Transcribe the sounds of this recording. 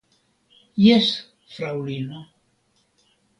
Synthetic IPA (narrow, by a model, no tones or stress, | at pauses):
jes | fɾawlino